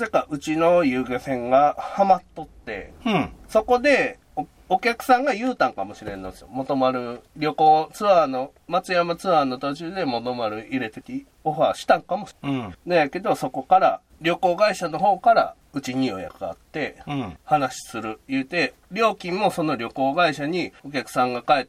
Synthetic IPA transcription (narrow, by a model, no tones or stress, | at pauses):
sekaʔɯ̟t͡ɕino̞jɯːɡesẽ̞ŋɡahamat̪ːo̞t̪ːe̞̰so̞ko̞d̪e̞ | o | okʲakɯ̟̥sãŋɡajɯ̟ːt̪ãŋkamo̞ɕiɾẽ̞̰nːosmot̪o̞maɾɯ̟ɾʲo̞ko̞ːt͡sɨano̞ | mat͡sɨjamat͡sɨβano̞t̪o̞t͡ɕɨːd̪e̞mo̞t̪o̞maɾɯ̟iɾe̞t̪ekʲi | o̞ɸaːɕi̥t̪ãŋkamo̞nojake̞d̪o̞so̞ko̞kaɾa̰ | ɾʲo̞ko̞ːɡaiɕano̞ɦo̞ːkaɾa̰ | ɯ̟t͡ɕiɲ̟io̞̰ja̰kɯ̟a̰t̪ːe̞hanaɕi̥sɨɾɯ̟jɯ̟ːt̪e̞ | ɾʲo̞ːkʲĩmːo̞so̞no̞ɾʲo̞ko̞ːɡaiɕaɲ̟io̞k̬ʲakɯ̟̥sãŋɡakaet̪ː